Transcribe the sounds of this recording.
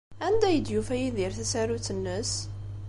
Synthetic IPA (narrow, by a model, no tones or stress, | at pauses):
ænd̪æjəd̪jufæjiðiɾθæsæɾut͡sːənːəs